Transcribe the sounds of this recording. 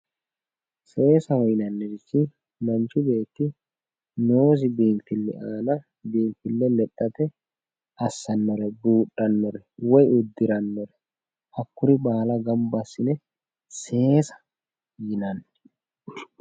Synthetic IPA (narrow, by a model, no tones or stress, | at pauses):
se̞ːsɐhɔjnɐnːɛd̪ɪt͡ʃːɪ | mɐnt͡ʃːʊbe̞ːt̪ːɪ | no̞ːs̬ɪbiːnfɪlːɛ̰ʔaːnɐ | biːnfɪlːɛlɛt̪ʼːɐt̪ɛ | ɐsːɐnːɔɾɛbuːɗʼːɐnːɔɾɛwɔjʊd̪ːɪɾɐnːɔɾɛ | ʔɐkːʊɾɪbaːlɐɡɐmbɐsːɪnɛ | se̞ːsɐ̥ | jɪnɐnːɛ